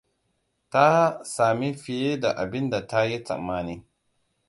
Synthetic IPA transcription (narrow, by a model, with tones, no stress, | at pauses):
ta˦saː˨mi˦ɸɪ˨je˦da˨ʔa˨bɪ˦nda˨ta˦ji˦t͡sɐ̰˨mːaː˦niː˦